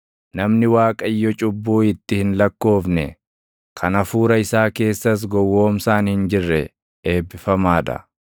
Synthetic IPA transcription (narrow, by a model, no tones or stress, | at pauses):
nɐmnɪwaːkʼɐjːɔt͡ʃʼʊbːuːɪt̪ːɪhɪnlɐkːo̞ːfnɛ̰ | kʰɐnɐfuːɾɐɪsaːke̞ːsːɐs̬ɡɔwːo̞ːmsaːnhɪnd͡ʒɪrːɛ | eːbːɪfɐmaːᶑɐ̰